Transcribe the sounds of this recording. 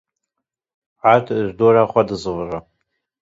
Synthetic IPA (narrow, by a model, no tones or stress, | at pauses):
ʕatʰʒdoraχʷadɨzɨvra